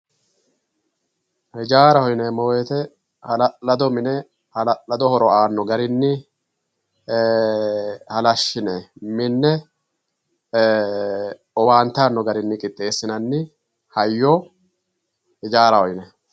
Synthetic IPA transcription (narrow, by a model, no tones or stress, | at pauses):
hɪd͡ʒaːɾɐhɔjnemɔweːt̪ɛ | hɐllɐd̪ɔmɪnɛ | lɐd̪ɔhɔɾɔʔaːnːɔɡɐɾɪnːɪ | hɐlɐʃːɪnemɪnːɛ | ɔwaːnt̪aːnːɔɡɐɾɪnːɪkʼɪt̪ʼːe̞ːsːɪnɐnːɪ | hɐjːoː | hɪd͡ʒaːɾɐhɔjnɛ